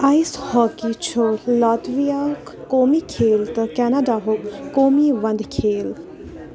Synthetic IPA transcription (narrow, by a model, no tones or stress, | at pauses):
ajshɔːkit͡ʃʰolaːt̪ʋijaːkkoːmikʰeːlt̪əkɛːnadaɦokkːoːmiʋɐnd̪kʰeːl